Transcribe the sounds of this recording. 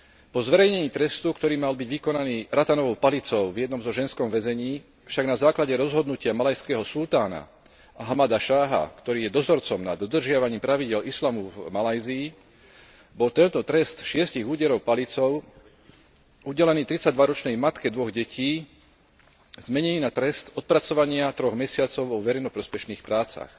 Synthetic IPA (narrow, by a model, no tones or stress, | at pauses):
pɔzʋɛɾɛjɲɛɲiːt̪ɾɛst̪ukt̪ɔɾiːmalbiɟʋikɔnaniːɾat̪anɔʋɔʊpalit͡sɔʊvjɛd̪nɔmzɔʒɛnskɔmʋɛzɛɲiː | fʃaɡnazaːklaɟɛɾɔzɦɔd̪nucɪamalajskɛɦɔsult̪aːna̰ | aɦamad̪aʃaːɦa̰kt̪ɔɾiːjɛd̪ɔzɔɾt͡sɔmnad̪ːɔd̪r̩ʒɪaʋaɲiːmpɾaʋiɟɪɛlislamuvmalajziː | bɔlt̪ɛnt̪ɔt̪ɾɛst̪ʃɪɛsciɣuːɟɛɾɔʊpalit͡sɔʊ | ʔuɟɛlɛniːt̪ɾit͡saɟd̪ʋaɾɔt͡ʃnɛjmat̪kɛd̪ʋɔɣɟɛcʰiː | zmɛɲɛniːnat̪ɾɛst̪ɔt̪̚pɾat͡sɔʋaɲɪat̪ɾɔɣmɛsɪat͡sɔʊɔʋɛɾɛjnɔpɾɔspɛʃniːxpɾaːt͡sa̰x